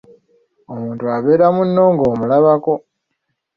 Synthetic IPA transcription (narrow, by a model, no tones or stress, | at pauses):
o̞muːntuaβe̞ːɾamunːo̞ːŋɡo̞ːmulaβako̞